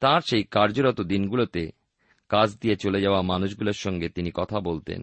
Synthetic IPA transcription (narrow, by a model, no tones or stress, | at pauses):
t̪aɾʃejkaɾd͡ʑoɾɔt̪od̪inɡulot̪e | kãt͡ɕʰd̪ijet͡ɕoled͡ʑaoamanuʃɡuloɾʃɔŋɡet̪inikɔt̪ʰabolt̪ḛn